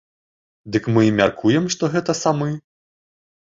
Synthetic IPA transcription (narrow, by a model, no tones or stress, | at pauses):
d̪ɨkmɨmʲarkʰujɛmʂt̪ɔɣɛt̪ɐsamɨ